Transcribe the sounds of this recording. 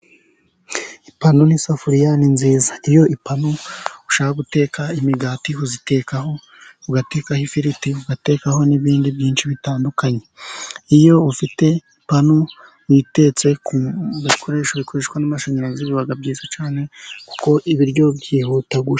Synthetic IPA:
ipanonisafuɾijaninziːzaijo̞ipanouʃaːhaɡute̞ːkaimiɡaːtihuzite̞kaɦo̞ | uɡateːkahifiɾitihuɡate̞ːkaho̞niβiːndibɟiːnʃiβitaːndukaɲe̞ijo̞ufite̞ipano | wite̞t͡se̞kuβikʰo̞ɾe̞ːʃoβikʰo̞ɾe̞ʃwanamaʃo̞ɲeɾaziβiβaɡabɟiːzat͡ʃaːne̞ku̥ko̞ʔiβiɾɟo̞bjiːhutaɡuʃ

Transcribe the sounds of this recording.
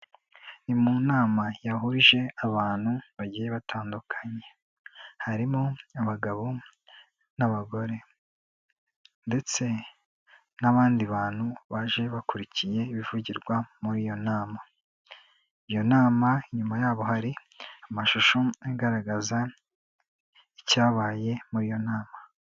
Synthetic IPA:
nimunaːmajaɦuɾiʒe̞aβaːn̥huβaɟiːjeβatʰaːndukʰaɲe̞ | haɾimoaβaɡaβo | naβaɡo̞ɾe̞ | nde̞t͡se̞ | naβaːndiβaːn̥huβaʒe̞βakuɾicije̞iβivuɟiɾɡwamuɾiːjo̞naːma | ijo̞naːmaiɲumajaːβo̞haɾi | amaʃuʃoeɡaɾaɡaza | icaːβaːje̞muɾiːjo̞naːma

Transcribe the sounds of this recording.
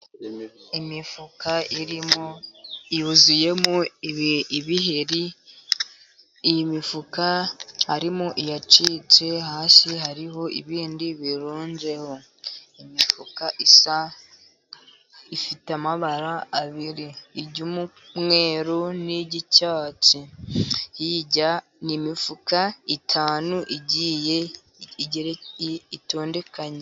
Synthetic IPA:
imifukaiɾimoijuzuje̞muiβiɦeɾi | jimifukahaɾimuʔijat͡ʃiːt͡ʃe̞haːsiɦaɾiɦo̞ʔḭβiːndiβiɾuːɲɟe̞ho̞ | imifukaʔisa | ifitamaβaɾaːβiɾiːɟumu | mŋe̞ːɾoniɟicaːci | jiɟa | nimifukaitʰaːnuʔiɟiːje̞ | iɟeɾeito̞ːnde̞kaɲe

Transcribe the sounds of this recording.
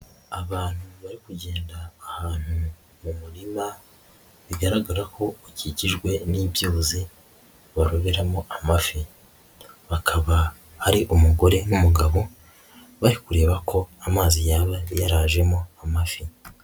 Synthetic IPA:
aβaːn̥huβaɾikuɟe̞ːndaːhaːn̥hu | mumuɾima | βiɡaɾaɡaɾakʰo̞iciɟiʒɡwe̞niβjoːzi | βaɾoβe̞ɾamoʔamafi | βakʰaβa | haɾiʔumuɡo̞ɾe̞numuɡaβo̞ | βaɾikuɾe̞ːβakʰo̞amaːzijaːβajaɾaːʒe̞mo̞amafi

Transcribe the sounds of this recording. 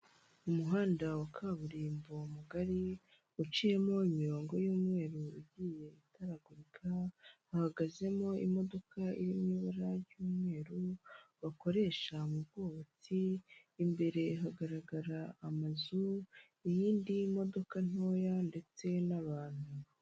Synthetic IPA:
umuɦaːndawakʰaβuɾiːmbomuɡaɾi | ut͡ʃije̞mo̞imiɾo̞ːŋɡo̞juːmŋe̞ːɾuiɟiːje̞itaɾaɡuɾikʰahahaɡaze̞mo̞ḭmo̞do̞kʰaḭɾimɲiːβaɾaɾjuːmŋe̞ːɾuβako̞ɾe̞ːʃamubɡoβot͡siː | mbe̞ɾe̞ɦaɡaɾaɡaɾaːmazu | ijiːndimo̞do̞kan̥o̞ːjande̞t͡se̞naβaːn̥u

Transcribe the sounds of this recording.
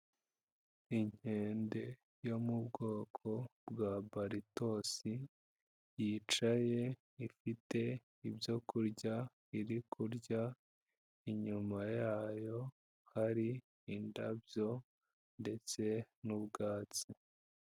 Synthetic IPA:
iɲ̥e̞ːnde̞ | jo̞mubɡo̞ːkʰo̞bɡaːbaɾito̞ːsi | jiːt͡ʃaje̞ | ifite̞ | ibjo̞kuɾɟa | iɾikʰuɾɟa | iɲumajaːjo̞ | haɾiː | ndabjo̞ | nde̞t͡se̞nubɡaːt͡si

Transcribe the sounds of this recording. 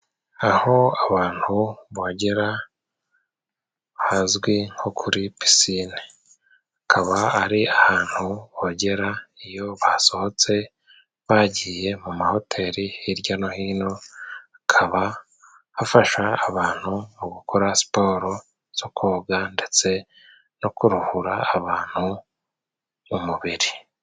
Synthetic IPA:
aho̞aβaːn̥huβoɟeɾa | hazɡwiŋ̥hokʰuɾipi̥sine | akʰaβaːɾiahaːn̥huβoɟe̞ɾaijo̞βaso̞ho̞t͡se̞ | βaɟiːje̞mumaho̞tʰe̞ːɾihiɾɟano̞hiːno̞akʰaβa | hafaʃaːβaːn̥humuɡukʰoɾasi̥po̞ːɾo̞ | z̥o̞kʰoːɡande̞t͡se̞ | no̞kuɾuhuɾaːβaːn̥hu | muβiɾi

